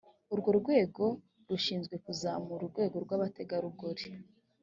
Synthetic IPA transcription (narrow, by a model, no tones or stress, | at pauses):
uɾɡo̞ɾuɡwe̞ːɡo̞ | ɾuʃiːnzɡwe̞kuzamuɾuɾɡwe̞ːɡo̞ɾɡwaβate̞ɡaɾuɡoɾe